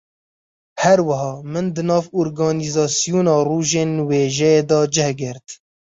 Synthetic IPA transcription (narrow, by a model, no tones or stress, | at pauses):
hɛɾwɐɦɑːmɨnd̪ɨnɑːvoːɾɡɑːnizɑːsijuːnɑːruːʒeːnweːʒɛjeːd̪ɑːd͡ʒɛhɡɪɾt̪